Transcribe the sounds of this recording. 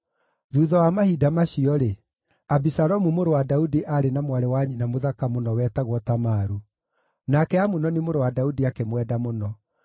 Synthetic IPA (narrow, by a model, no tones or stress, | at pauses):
ðuːðɔwamahidamaʃiɔɾe | abisaɾɔmumoɾowadaudiʔaɾenamwaɾɛwaɲinamoðakamonɔwɛtaɣwɔtamaːɾu | nakɛamunɔnemoɾowadaudiakemwɛdamonɔ